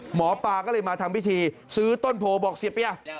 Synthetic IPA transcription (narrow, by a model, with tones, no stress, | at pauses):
mɔː˩˦paː˨˩kɔː˥˩lɤː˧jmaː˧t̪ʰaː˧mpʰi˦˥˩t̪ʰiː˧sɯː˦˥t̪o˥˩npʰoː˧bɔː˨˩k̚si˨˩əpːi˧a˧˩